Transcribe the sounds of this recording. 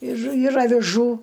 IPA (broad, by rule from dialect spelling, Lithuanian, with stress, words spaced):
ɪr ɪr ɐʋʲɪˈʒuː